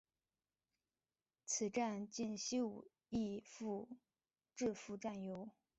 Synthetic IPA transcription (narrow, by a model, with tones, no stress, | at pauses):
t͡s̩ʰ˨˩ʈ͡ʂa˥˧nt͡ɕi˥˧nɕi˥u˨˩ | i˥˧fu˥˩ | ʈ͡ʂɻ̩˥˩fu˧˥ʈ͡ʂa˥˩njo˧˥ʊ